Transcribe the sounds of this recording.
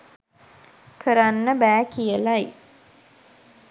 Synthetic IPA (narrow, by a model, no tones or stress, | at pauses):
kʰəɾanːəbæːkijəlaj